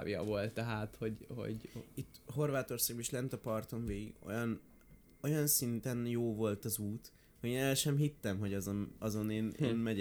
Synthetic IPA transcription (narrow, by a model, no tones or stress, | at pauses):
vjɒ̰vo̞lt̪ːɛɦaːt̪ho̞ɟho̰ɟit̪ːho̞rvaːt̪o̞rsaːɡbeʃlɛnt̪ɒpɒrt̪o̞ɱveːɡiɡo̞̰jɒn | o̞jɒnsint̪ɛnjoːvo̞lt̪ɒzuːt̪ | hoeːnɛlʃɛmɦit̪ːɛmɦo̞ɟɒzonɒzo̞neːnḛːnmɛ